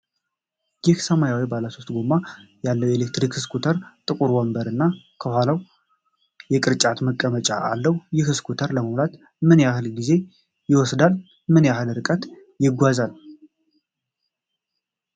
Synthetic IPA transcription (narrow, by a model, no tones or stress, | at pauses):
jɪhsəmajawibalasʰost̪ʼɡomːajalːəwjelek̚t̪ɾikskʰut̪ʰəɾt̪ʼɨkʼuɾwɔmbəɾɨnːa | kʰəhʷalaw | jɛkʼɨɾt͡ʃʼat̪məkʼːəmət͡ʃʼaʔalːəwjɪhɨskʰut̪ʰəɾləməwlat̪ | mɨnjahɨlɡize̞ | jɪwɔsd̪al | mɨnjahɨlɨɾɨkʼət̪ | jɪɡʷazal